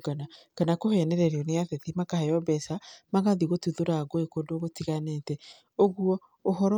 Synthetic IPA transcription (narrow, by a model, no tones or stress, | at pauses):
ɡanakanakohɛnɛɾɛɾeɔneaðɛðimakahɛjɔbɛsamaɣaðiɣotuðoɾaɣoekodoɣotiɣanetɛ | oɣuɔ | ohɔɾɔ